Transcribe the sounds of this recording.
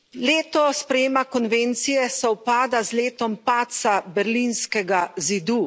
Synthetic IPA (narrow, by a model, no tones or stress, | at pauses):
leːt̪ɔspɾɛjeːmakɔnvent̪sijɛsawpaːd̪azleːt̪ɔmpaːt̪sabɛɾlinskɛɡazid̪u